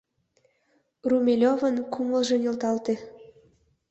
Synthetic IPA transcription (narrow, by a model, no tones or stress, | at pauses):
rumʲelʲovənkuməlʒĕnʲelt̪ɑlt̪e